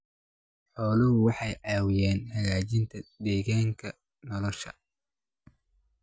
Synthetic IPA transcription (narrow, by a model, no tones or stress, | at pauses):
ħɔːlɪɦʊwɑħɑjʕɑːwɪjɛːnhɐɣaːt͡ʃɪnt̪ʰɐd̪ɛːɣaːŋkʰɐ | nɔlɔʃɐ̰